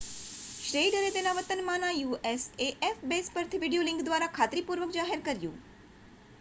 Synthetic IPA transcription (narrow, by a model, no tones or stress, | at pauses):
ʃɾeiɖəɾet̪enaʋət̪ənmãnajuʔeseʔefbespəɾt̪ʰiʋiɖijolɪ̃ŋɡd̪ʋaɾakʰat̪ɾipuɾʋəkd͡ʒaɦeɾkəɾjṵ̃